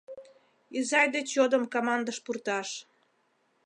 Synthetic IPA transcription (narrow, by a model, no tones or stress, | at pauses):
izɑjd̪et͡ɕod̪əmkomɑnd̪əʃpurt̪ɑʃ